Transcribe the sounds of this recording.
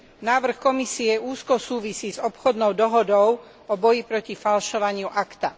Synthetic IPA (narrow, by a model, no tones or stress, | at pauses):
naːʋr̩xkɔmisiɛuːskɔsuːʋisiːzɔpxɔd̪nɔʊd̪ɔɦɔd̪ɔʊ | ɔbɔjipɾɔcifalʃɔʋaɲɪuʔakt̪a